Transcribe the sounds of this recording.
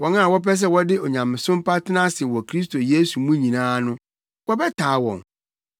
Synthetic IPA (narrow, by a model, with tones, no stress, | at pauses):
wɔ˨nã˦˨wɔ˦p̬ɛ˦s̬ɛ˦wɔ˦dɪ˦o˨ɲã˨mɪ̃˨sʊ̃˦m˦pa˦tʰɪ˦nã˦sɪ˨wɔ˨kʰɾi˦s̬to˨je˦su˨mũ˦ɲĩ˨nãː˦nʊ̃˦ | wɔ˦bɛ˦tʰa˨˦wɔ̰̃˨n